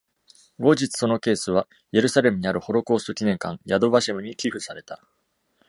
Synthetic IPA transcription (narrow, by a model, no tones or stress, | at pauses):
ɡo̞ʑit͡sɨ̥so̞no̞ke̞ːsɨβ̞a | je̞ɾɯ̟saɾe̞mɯ̟ɲ̟iaɾɯ̟ho̞ɾo̞kɯosokʲinẽ̞ŋkãŋjad̪o̞baɕimɯ̟ɲ̟ikʲiɸɯ̟saɾe̞t̪a